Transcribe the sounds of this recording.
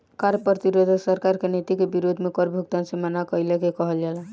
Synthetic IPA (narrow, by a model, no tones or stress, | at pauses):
kaɾjəpɾət̪iɾod̪ʱsəɾkaɾkenit̪ikebiɾod̪ʱmekɔɾbʱuk̚t̪ansimanakəjlekekɔɦəld͡ʒala